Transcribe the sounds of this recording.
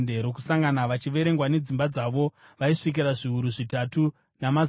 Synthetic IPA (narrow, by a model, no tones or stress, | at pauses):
deɾokusaŋɡanaʋat͡ʃiʋe̞ɾe̞ŋɡwane̞d͡zimbad͡zaʋo̞ | ʋaiʂik̬iɾaʐiɦuɾuʐitatu | namaz